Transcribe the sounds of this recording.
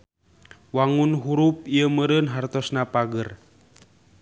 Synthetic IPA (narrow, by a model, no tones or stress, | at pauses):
waŋunɦuɾup̚ijəməɾənɦart̪ɔsnapaɡər